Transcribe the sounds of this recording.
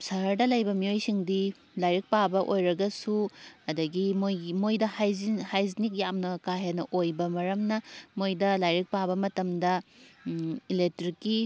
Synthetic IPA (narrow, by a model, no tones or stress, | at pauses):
sɐɦɐɾdɐlɐjbɐmiojsiŋdi | lajɾik̚pabɐʔojɾɐɡɐsuɐdɐɡimojmojdɐhajzihajznik̚jamnɐkaɦenɐʔojbɐmɐɾɐmnɐmojdɐlajɾik̚pabɐmɐtɐmdɐ | ilek̚tɾikːi